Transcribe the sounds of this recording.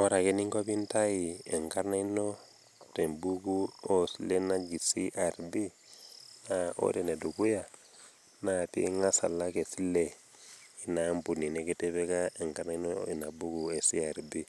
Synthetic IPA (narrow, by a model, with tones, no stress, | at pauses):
ɔ˦˨ɾa˨kɛ˦ni˦ŋko˦bi˦nta˦i˨ɛ˨ŋka˦na˦i˦no˦ | tɛ˨mbu˦ɡu˦o˦si˦lɛ˦na˦d͡ʒi˨si˦ʔa˨ɾbi˦ | na˨o̰˦dɛ˨nɛ˨du˨ku˦ja˨ | na˨pḭ˦ŋa˦sa̰˨la˦ke˨si˦lɛ˨ | i˨na˨mbu˨ni˨nɛ˦ke˦tɛ˦bɛ˦ka˦ɛ˨ŋka˦na˦i˦no˦i˨na˨bu˦ɡu˨ɛ˨si˦a˨ɾbi˦